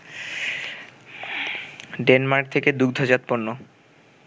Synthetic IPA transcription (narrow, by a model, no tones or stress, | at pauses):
ɖenmaɾk̚t̪ʰeked̪uɡ̚d̪ʱod͡ʑat̪ponːo